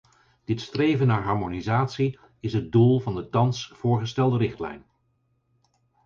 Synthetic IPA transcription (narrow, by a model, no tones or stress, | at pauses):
d̥ɪtstrejvənːaːɹɦɑɹmonizaːtsi | ɪsɦət̚dulˠvɑndətɑnsfʊːɹχəstɛlˠdəɾɪχtlɛ̰jn